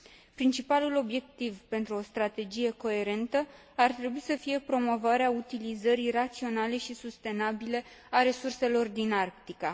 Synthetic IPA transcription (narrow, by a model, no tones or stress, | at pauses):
pɾint͡ʃipalulo̞bje̞k̚t̪ivpe̞nt̪ɾuo̞st̪ɾat̪e̞d͡ʒije̞ko̞e̞ɾe̞nt̪ə | art̪ɾe̞buisəfije̞pɾo̞mo̞vaɾeaut̪ilizəɾirat̪sio̞nale̞ʃisust̪e̞nabile̞ | aɾe̞surse̞lo̞rd̪inarp̚t̪ika